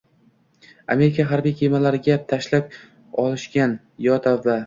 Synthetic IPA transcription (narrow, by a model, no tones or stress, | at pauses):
ame̞ɾɪkʲʰaɦaɾbijkʲʰemalaɾɪɡʲat̪ʰaʃlap̚ | ɒlˠɪʃkʲan | jɒt̪ʰavːa